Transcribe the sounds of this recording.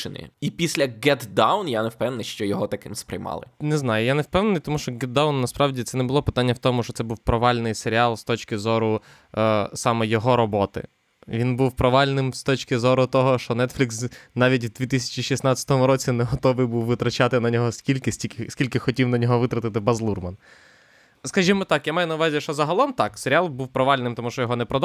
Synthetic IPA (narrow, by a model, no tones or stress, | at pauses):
ɪnɪ̰ipʲisʲlʲɐɡɛt̪d̪ɑwnjanewpɛnenɪʃt͡ʃɔjɔɦɔt̪ɐkɪmspɾɪ̰jmɑ̰lˠɪ̰nɛznɑjʊjanewpɛwnenɨjt̪ɔmuʃt͡ʃɔɡɛt̪̚d̪ɑwnːɐspɾɑwdʲit̪sɛnɛbʊlˠɔpɪ̥t̪ɑnʲːɐwt̪ɔmʊʃt͡ʃɔt̪sɛbuwpɾɔʋɑlʲnɪjseɾʲiɑlˠst̪ɔt͡ʃkɪzɔɾʊ | sɑmɛjɔɦɔɾɔbɔt̪ɪ̰ | ʋʲinbuwpɾɔʋɑlʲnɪmst̪ɔt͡ʃʲkɪzɔɾʊt̪ɔɦɔʃt͡ʃɔnɛt̪fʲlʲiksnɑʋʲitʲwd̪ʲʋʲit̪ɪsʲɐ̥t͡ʃiʃisnɑt͡sʲɐ̥t̪ɔmʊɾɔt͡sʲinɛɦɔt̪ɔʋɨjbuwʋɪt̪ɾɐt͡ʃɑt̪ɪnɐnʲɔɦɔsʲkʲilʲkɪsʲtʲikɪsʲkʲilʲkɪxɔtʲiwnɐnʲɔɦɔʋɪt̪ɾɐt̪ɪt̪ɪbɐzlˠurmɐn | skɐʒimɔt̪ɑkjamɑjʊnɐʊʋɑzʲiʃt͡ʃɔzɐɦɐlˠɔmt̪ɑkseɾʲɪɑlˠbuwpɾɔʋɑlʲnɪmt̪ɔmuʃt͡ʃɔjɔɦɔnɛpɾɔd̪